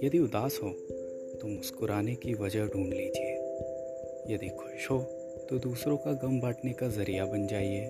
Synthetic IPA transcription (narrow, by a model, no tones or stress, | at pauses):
jɐd̪iʊd̪aːsɦoː | t̪omʊskʊɾaːnekiʋɐd͡ʒəɦɖʱũːɳɖliːd͡ʒieː | jɐd̪ikʰʊʃɦoː | t̪od̪uːsɾõkaɡɐmbaːʈnekazɐɾijabɐnd͡ʒaːieː